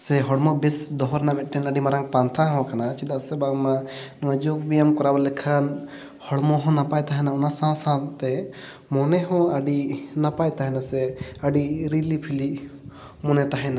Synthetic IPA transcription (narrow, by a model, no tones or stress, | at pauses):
sɛɦɔɽmɔbisd̪ɔɦɔɾnamɛʈɛnaɖimaɾaŋpant̪ʰaɦɔ̃kanat͡ʃid̪asɛbaɡma | nɔwad͡ʒok̚bijamkɔɾabalɛkʰan | hɔɽmɔɦɔ̃napajt̪aɦɛnaunasãwsãt̪ɛ | mɔnɛɦɔ̃aɖinapajt̪aɦɛnasɛəɖiɾilipʰili | mɔnɛt̪aɦɛna